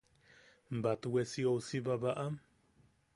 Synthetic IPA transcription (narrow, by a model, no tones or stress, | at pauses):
mbat̪wesiowsibaβaʔam